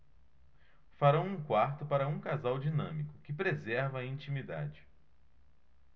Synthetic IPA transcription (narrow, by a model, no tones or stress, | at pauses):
faɾɐ̃w̃ũkwaɾt̪ʊpaɾɐũkazawd͡ʒinɐ̃mikʊkɪpɾezɛɾvɐːĩt͡ʃĩmid̪a̰d͡ʒɪ